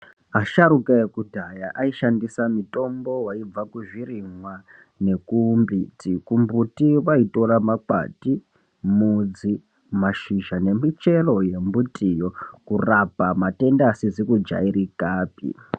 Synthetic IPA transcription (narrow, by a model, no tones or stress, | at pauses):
aʃaɾukajekudʱajaʔaiʃandisamito̞mbo̞waib͡vakuʐiriŋwa | ne̞kumbitikumbutiʋaito̞ɾamaka̰ti | mud͡zi | maʃiʒane̞mit͡ʃe̞lo̞jembutʰʼijo̞kurapamate̞ndasizikud͡ʒa̰iɾikaːpḭ